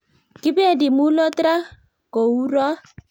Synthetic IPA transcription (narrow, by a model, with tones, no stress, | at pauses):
kɪ˦be˦a˦˨dɪ˨mu˦lɔ˦tɾa˦ | ko˨u˦ɾɔ˦